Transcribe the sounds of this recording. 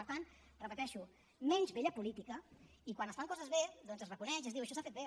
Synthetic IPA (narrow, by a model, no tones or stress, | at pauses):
ɾt̪ant̪ | rəpət̪ɛʃu | mɛnʲzβeʎəpulit̪ikə | ikwanəst̪aŋkɔzəzβeðɔnzərəkunɛʃəzðiwəʃɔsafet̪̚βe